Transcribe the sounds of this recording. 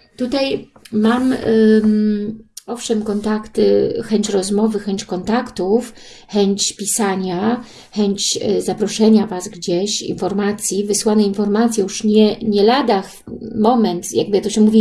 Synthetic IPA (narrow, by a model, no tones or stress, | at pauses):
t̪ut̪ajmam | ɔfʂɛmkɔnt̪akt̪ɘxɛɲt͡ɕɾɔzmɔvɘxɛɲt͡ɕkɔnt̪akt̪uf | xɛɲt͡ɕpʲisaɲa | xɛɲt͡ɕzapɾɔʂɛɲavasɡd͡ʑeɕḭnfɔɾmat̪sʲjivɘswanɛinfɔɾmat̪sʲjɛjuʂɲɛɲɛlad̪ax | mɔmɛnt̪ja̰ɡ̚bɘjakt̪ɔɕɛmuvʲi